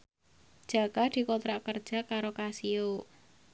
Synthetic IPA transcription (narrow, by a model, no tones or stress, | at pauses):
d̥ʒ̥a̤kad̪̥i̤kot̪ɾakərd̥ʒ̥a̤kaɾokasio